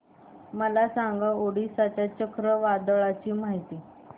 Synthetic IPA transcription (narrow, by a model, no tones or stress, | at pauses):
məlasaŋɡaoɽisat͡ɕjat͡ɕəkɾəʋad̪ɭat͡ɕiːmaɦit̪iː